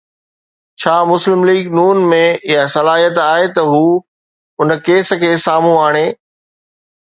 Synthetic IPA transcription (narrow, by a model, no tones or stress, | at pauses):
t͡ɕʰaːmʊslɪmliːɡnuːnmẽɪjasɐlaːɦiət̪aːɦet̪ɐɦuː | ʊnə̆keːs̆kʰeːsaːm̤ũaːɽ̃eː